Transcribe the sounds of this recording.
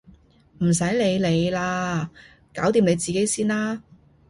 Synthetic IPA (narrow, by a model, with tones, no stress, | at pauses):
m̩˨˩s̬ɐ˨˥jle˨˧jle˨˧jlaː˧ | kaː˨˥wt̪iː˧mne˨˧jt͡siː˨˩ke˨˥jsiː˥nlaː˥